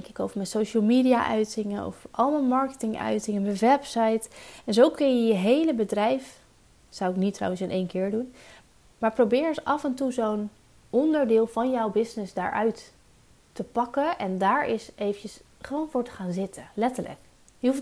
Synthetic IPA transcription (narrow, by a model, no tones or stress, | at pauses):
ŋkɪkowvəɹmɛnsowʃəlˠmiːdijaʔœɥtɪŋənɔ̰fʔɑlˠmənmɑɹkə̥tɪŋœ̰ɥtɪŋəməʋɛpsɑjtɛnzowkɵnjəjəɦejləbədrɛjf | sawɪknitrɑ̰wənsɪnʔejnkɪːɹdun | maːɹprowbɪːɹsʔɑfɛntuzown | ɔndəɹdɪːlˠvɑnjɔwbɪsnɪzda̰ːɹʔœ̰ɥtː | əpɑkəʔɛndaːɹɪsejvəncəs | χəʋownvʊːɹtə̥χaːnzɪtəlɛtələ̰k | jəɦuf